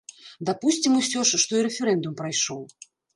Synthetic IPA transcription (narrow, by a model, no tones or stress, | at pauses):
d̪apusʲt͡sʲimusʲɔʂʂt̪ɔiɾɛfʲɛɾɛnd̪umpɾajʂɔw